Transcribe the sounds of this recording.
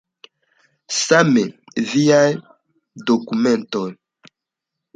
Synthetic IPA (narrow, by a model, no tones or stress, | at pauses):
same | viaj | d̪okumẽnt̪oj